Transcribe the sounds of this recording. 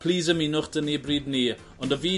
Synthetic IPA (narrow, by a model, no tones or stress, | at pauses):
pʰl̥ˠiːzəminʊχd̥ənibriːdni | ɔndəviː